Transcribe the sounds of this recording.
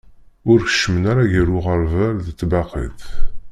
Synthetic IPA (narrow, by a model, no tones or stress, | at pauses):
ʊɾçə̥ʃmənaɾaʝəɾʊʁəɾvæɾðət͡sːbɑqḭθ